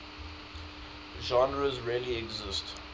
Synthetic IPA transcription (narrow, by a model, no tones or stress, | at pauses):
ʒɑ̃nɹəzɹiəliɛɡzɪst